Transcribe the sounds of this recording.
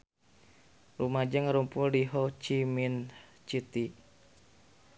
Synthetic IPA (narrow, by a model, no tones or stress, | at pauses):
rumad͡ʒaŋəɾumpuldiɦɔt͡ʃimin | t͡ʃit̪i